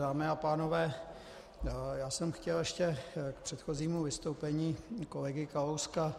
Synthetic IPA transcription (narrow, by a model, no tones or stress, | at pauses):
aːmɪapaːno̞vɛː | jaːsɛmxcɛljɛʃcɛkpr̥ɛt̪xo̞ziːmuvɪst̪o̞wpɛɲiːkolɛɡɪkalowska